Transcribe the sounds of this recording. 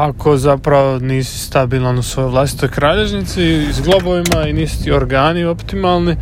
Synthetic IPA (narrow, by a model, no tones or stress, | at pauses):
akʰo̞zapɾaʋoniːsi̥st̪abilˠanusʋo̞joʋlˠast̪i̥t̪o̞jkɾaːʎe̞ʋnit̪siizɡlˠoboʋimainiːst̪ioɾɡaːnio̞pt̪imalˠni